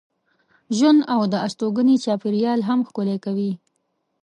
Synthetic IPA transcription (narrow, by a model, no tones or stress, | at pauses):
ʒwand̪awd̪əast̪oɡənit͡ʃɑpɪɾjɑlɦamxkʊlekawi